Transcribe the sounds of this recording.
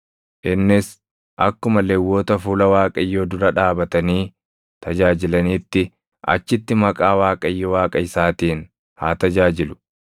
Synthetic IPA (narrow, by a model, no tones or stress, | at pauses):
ʔɪnːɪs | ʔɐkːʊmɐlɛwːoːt̪ɐfuːlɐwaːkʼɐjːoːd̪ʊɾɐᶑaːbɐt̪ɐniː | t̪ɐd͡ʒaːd͡ʒɪlɐniːt̪ːɪ | ʔɐ̰t͡ʃːɪt̪ːɪmɐkʼaːwaːkʼɐjːowaːkʼɐɪsaːt̪iːn | haːt̪ɐd͡ʒaːd͡ʒɪlʊ̥